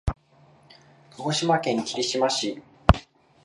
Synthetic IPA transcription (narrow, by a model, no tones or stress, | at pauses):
kɯɦoɕimakẽ̞ŋkʲiɾʲiɕimaɕi